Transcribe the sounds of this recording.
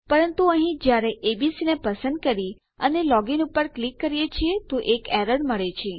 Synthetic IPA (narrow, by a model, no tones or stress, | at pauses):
pəɾənt̪uəɦĩd͡ʒjaɾeʔebisinepəsənd̪̚kəɾi | ənelɔɡinupəɾklikːəɾijet͡ʃʰiet̪oʔekɛɾəɾɖməɭet͡ʃʰie